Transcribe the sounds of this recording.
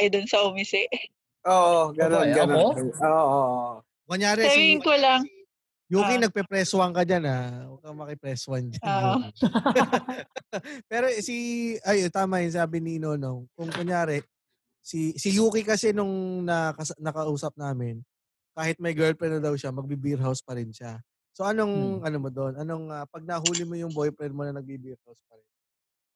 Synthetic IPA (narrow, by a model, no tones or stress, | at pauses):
ʔɐjd̪ʊnsɐʊmɪsɛʔ | ʔoːʔoɡɐnonɡɐnooːʔoʔ | mɐŋjaːɾɛɾiŋkolaŋ | juːkinɐɡ̚pɛpɾɛswɐŋkɐd͡ʒanawɐɡ̚kɐŋmɐkɪpɾɛswɐnd͡ʒɐ | pɛːɾosiɐjot̪aːmajɪnsaːbɪniɪnoːnoŋkʊŋkʊŋjaːɾɛ | sisɪjuːkɪkɐsɛnʊŋnɐkɐsnɐkɐʔuːsɐp̚naːmɪn | kaːhɪt̪̚mɐjɡɛlpɾɛnɐd̪ɐwʃamɐɡ̚bibiɾɦawspɐɾɪnʃa | so̞ʔɐno̞ŋʔɐnomod̪onʔɐno̞ŋapɐɡ̚nɐɦuːlɪmojʊŋbo̞jpɾɛnmonɐnɐɡ̚bibiɾhawspɐɾɛn